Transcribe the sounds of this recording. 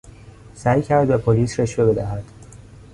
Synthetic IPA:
sæːjcʰæɾd̪bepʰoliːsɾeʃve̞be̞d̪æɦæd̪̥

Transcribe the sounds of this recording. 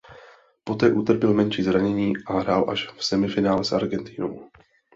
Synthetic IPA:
po̞t̪ɛːʔut̪r̩pɪlmɛnʃiːzɾaɲɛɲiːʔaɦɾaːlʔaʃfsɛmɪfɪnaːlɛsa̰ɾɡɛnt̪ɪnow

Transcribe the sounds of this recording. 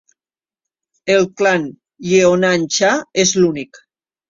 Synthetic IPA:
elklan | jeonanʲt͡ʃaezlunik

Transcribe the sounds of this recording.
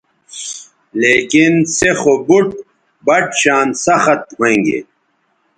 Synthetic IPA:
leːkinsexobuʈ̚ | bɐʈɕaːnsɐxɐt̪̚hoẽŋɡḛ

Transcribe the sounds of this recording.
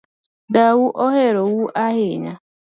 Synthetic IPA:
dawuʔɔɦeɾowuʔaɦɪɲa

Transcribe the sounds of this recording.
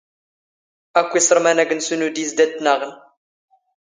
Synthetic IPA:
ækʷːisˤɾˤmænæɡənsunud̪isd̪æt̪ːnaʁən

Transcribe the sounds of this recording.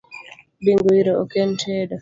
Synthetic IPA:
biŋɡujiɾɔɔkɛntʰɛːdɔ

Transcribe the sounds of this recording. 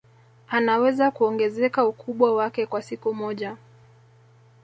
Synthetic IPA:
anawɛzakuɔŋɡɛzɛkaukuɓwawakɛkwasikumɔʄa

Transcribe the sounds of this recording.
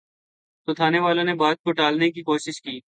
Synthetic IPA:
t̪ot̪ʰaːneʋaːlõnebaːd̪̚koʈaːlnek̬ikoːʃɪʃkiː

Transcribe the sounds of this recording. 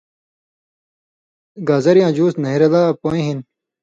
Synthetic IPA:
ɡaːzɐɾjãːd͡ʑuːsnɐɦiɾɐlaːpoːĩɦin

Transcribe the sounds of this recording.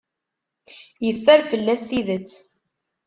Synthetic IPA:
jəfːæɾfəlːæst̪iðət͡sː

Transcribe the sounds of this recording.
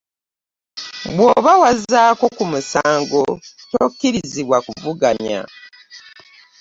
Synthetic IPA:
bwo̞βawazaːko̞kumusaːŋɡo̞tokːiɾiziβwakuvuɡaɲa̰

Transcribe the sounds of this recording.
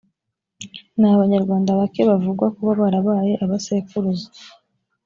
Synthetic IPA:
naβaɲaɾɡwaːndaβake̞βavuɡwakuβaβaɾaβaːje̞ʔaβasekuɾuza

